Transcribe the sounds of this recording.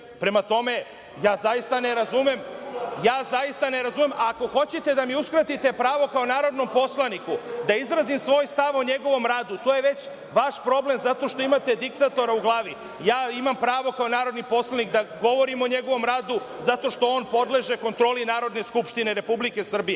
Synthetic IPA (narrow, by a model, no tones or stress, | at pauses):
pɾe̞mat̪o̞me̞ | jaːzaist̪ane̞ɾazumemjaːzaist̪ane̞ɾazumemako̞xo̞t͡ɕet̪e̞d̪amiuskɾat̪it̪e̞pɾaːʋo̞kao̞naːɾo̞d̪no̞mpo̞slˠanikud̪aizɾazimsʋo̞ːjst̪aʋo̞ɲe̞ɡo̞ʋo̞mɾaːd̪ut̪o̞jeʋe̞t͡ɕ | ʋaʃpɾo̞ble̞mzat̪o̞ʃt̪o̞imat̪e̞d̪ikt̪at̪o̞ɾauɡlˠaːʋi | jaːimampɾaːʋo̞kaonaːɾod̪nipo̞slˠanikd̪aɡo̞ʋo̞ɾimo̞ɲe̞ɡo̞ʋo̞mɾaːd̪u | zat̪o̞ʃt̪o̞oːnpo̞d̪le̞ʒe̞ko̞nt̪ɾo̞ːlinaːɾo̞d̪ne̞skupʃt̪ine̞ɾe̞publike̞sr̩bije